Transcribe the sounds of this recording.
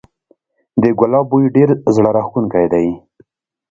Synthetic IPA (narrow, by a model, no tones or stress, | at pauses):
d̪əɡʊlɑbujɖeɾzɽaɾaxkunkajd̪aj